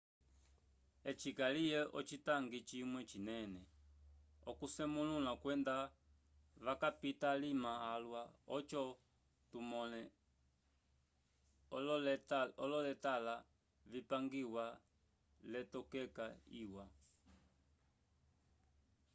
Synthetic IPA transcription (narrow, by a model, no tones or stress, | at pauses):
ɛt͡ʃikalijɛʔɔt͡ʃitaŋɡit͡ʃimwɛt͡ʃinɛnɛ | ɔkusɛmululakwɛnda | ʋakapitalimaːlwaɔt͡ʃɔ | tumɔlɛ | ɔlɔlɛtala | vipaŋɡiwa | lɛtɔkɛkaiwa